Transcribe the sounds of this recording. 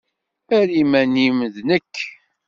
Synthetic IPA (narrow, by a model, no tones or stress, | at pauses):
æɾimæniməðnəkː